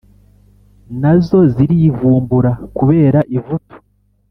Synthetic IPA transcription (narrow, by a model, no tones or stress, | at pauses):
nazo̞ziɾivuːmbuɾakuβe̞ːɾaʔivutu̥